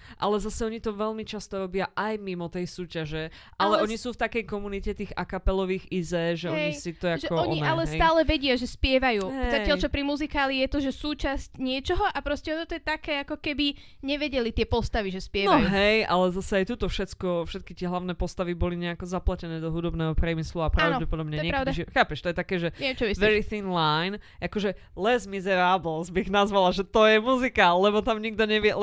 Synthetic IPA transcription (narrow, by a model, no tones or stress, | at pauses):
ʔalɛzasɛɔɲit̪ɔʋɛʎmit͡ʃast̪ɔɾɔbɪaʔajmimɔt̪ɛjsuːcaʒɛ | ʔalɛɔɲisuːft̪akɛjkɔmunicɛt̪iːɣa̰kapɛlɔʋiːɣizɛːʒɛɛɲisit̪ɔjakʒɛɔɔɲɔinalɛsaːlɛʋɛɟɪaʒɛspɪɛʋajuːɦɛzajaʎt͡ʃɔpɾimuzikaːlijɛt̪ɔʒɛsuːt͡ʃascɲɪɛt͡ʃɔɦɔʔapɾɔscɛɔt̪ɔt̪ɔjɛt̪akɛːakɔkɛbi | ɲɛʋɛɟɛlit̪ɪɛpɔst̪aʋiʒɛspɪɛnɔajɦɛjalɛzasɛajt̪ut̪ɔfʃɛt̪kɔfʃɛt̪̚kit̪ɪɛɦlaʊnɛːpɔst̪aʋibɔliɲɛakɔzaplacɛnɛːd̪ɔɦud̪ɔbnɛːɦɔpɾɪjɛmisluapɾaʊnɔɟɛpɔd̪ɔbɲɛɲɔɛɲɪɛɾaɛʊd̪aʒxaːpɛʃt̪ɔjɛt̪akɛːʒɛɛɛmt͡ʃɔʋisʋɛɾiθinlajnʔakɔʒɛ | lɛzmizɛɾabl̩zbiɣnazʋalaʒɛt̪ɔjɛmuzikalɛbɔt̪amɲiɡ̚d̪ɔɲɛʋiɛl